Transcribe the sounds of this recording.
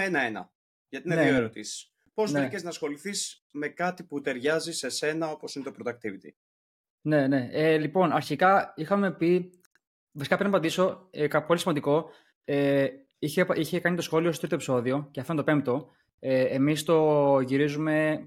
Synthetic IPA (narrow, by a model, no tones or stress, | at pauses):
enɐenɐ̰ | jʝɐt̪innenoeɾot̪isi̥s | posneiceznɐsxo̞liθis | me̞kɐt̪iput̪e̞ɾʝɐzise̞se̞nɐo̞po̞sinet̪opɾot̪ɐk̚t̪ivit̪i | ne̞ne̞elipo̞nɐɾçikɐixɐme̞pi | vɐsikɐpɾnɐpɐd̪iso̞kɐpo̞lisimɐnd̪iko̞ | e | içepiçe̞kɐnit̪o̞sxo̞liosot̪ɾit̪opi̥so̞ðio̞ceɐfd̪o̞pe̞mt̪o̞ | eemist̪o̞ʝiɾizume̞